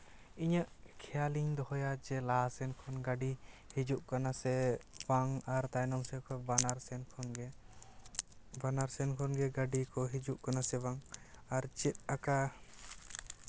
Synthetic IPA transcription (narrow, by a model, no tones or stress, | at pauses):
iɲəʔkʰɛjaliɲd̪ɔhɔjad͡ʒɛlasɛnkʰɔnɡaɖihid͡ʒuʔkanasɛbaŋaɾt̪ajnɔmsɛkʰɔbanaɾsɛnkʰɔnɡɛ | banaɾsɛnkʰɔnɡɛɡaɖikɔɦid͡ʒuʔkanasɛbaŋaɾt͡ʃɛt̪̚aka